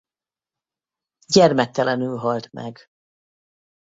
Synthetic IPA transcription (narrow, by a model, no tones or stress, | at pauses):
ɟɛrmɛk̚t̪ːɛlɛnylɦɒlt̪mʔɛ̰ɡ